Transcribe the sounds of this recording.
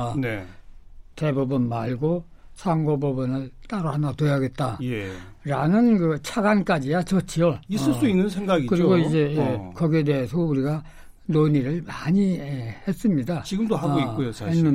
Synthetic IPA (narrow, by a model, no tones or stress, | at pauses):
ne | te̞bubunmaɭɡosʰaŋɡobubunɯɭt͈aɾohanatojaɡe̞t̚t͈ajeɾanɯnkɯt͡ɕʰaɡank͈ad͡ʑijat͡ɕʌt͡ɕʰiʌisɯɭs͈uinːɯnsʰeŋɡaɡikɯɾiɡoid͡ʑe̞jekʌɡiedeɦesʰʌuɾiɡa | noɲiɾɯɭmaɲiehe̞s͈ɯmɲidat͡ɕiɡɯmdohaɡoiojoenːɯ